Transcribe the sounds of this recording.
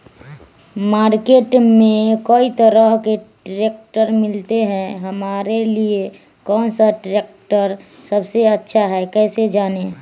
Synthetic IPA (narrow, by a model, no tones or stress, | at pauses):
maːɾkeːʈmẽkoit̪əɾəɦkeʈɾeːk̚ʈəɾmɪlt̪eɦɛ̃ɦəmaːɾelie | kɔːnsaʈɾeːk̚ʈəɾsəbseətːʃʰaɦɛkɛːsed͡ʒaːne